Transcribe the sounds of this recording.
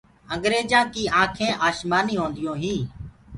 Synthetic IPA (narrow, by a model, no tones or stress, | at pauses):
ə̃ŋɡɾeːd͡ʒãːkiːãːkʰẽːʔaːʃmaːniːɦõːnd̪ɪjõːɦĩː